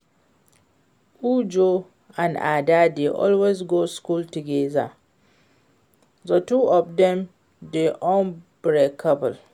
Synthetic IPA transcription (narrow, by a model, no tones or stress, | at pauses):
ud͡ʒo | ãna̰dadeʔɔ̰lwezɡoːskultuɡeza | zɔtuɔfdɛ̃m | deʔɔ̃nb̥ɹekʰapəl